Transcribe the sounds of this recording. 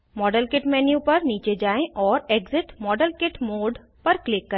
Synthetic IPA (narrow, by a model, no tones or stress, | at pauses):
mɔːɖəlkɪʈmɛːnjupɐɾniːt͡ʃed͡ʒaːẽʔɔːɾeːɡzɪʈmɔːɖəlkɪʈmoːɖ | pɐɾklɪkːɐ